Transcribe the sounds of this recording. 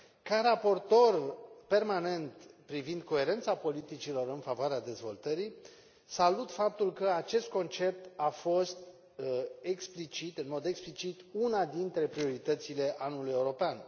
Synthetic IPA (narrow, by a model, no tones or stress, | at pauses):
kaɾapo̞rt̪o̞rpe̞rmane̞nt̪pɾivind̪̚ko̞e̞ɾe̞nt̪sapo̞lit̪it͡ʃilo̞ɾɨnfavoaɾead̪e̞zvo̞lt̪əɾi | salut̪fap̚t̪ulkəat͡ʃe̞st̪̚ko̞nt͡ʃe̞p̚t̪afo̞st̪ | eksplit͡ʃit̪ɨnmo̞d̪e̞ksplit͡ʃit̪unad̪int̪ɾe̞pɾio̞ɾit̪ət̪sile̞ʔanuluje̞uɾo̞pean